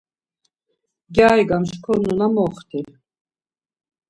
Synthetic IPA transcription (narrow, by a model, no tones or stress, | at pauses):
ɡjaːjɡamʃkʰɔnunamɔχt̪ʰil